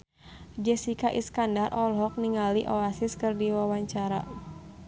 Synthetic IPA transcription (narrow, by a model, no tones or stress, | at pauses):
d͡ʒɛsikaʔḭskandarʔɔlɦɔk̚niŋaliʔɔasɪskɨrdiwawaɲt͡ʃaɾa̰